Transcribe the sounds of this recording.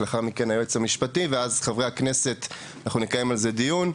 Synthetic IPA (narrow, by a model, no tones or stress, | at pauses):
leaχaʁmike̞najuet͡samiʃpativeazχavʁeaknese̞t | anaχnunekajemalze̞dijun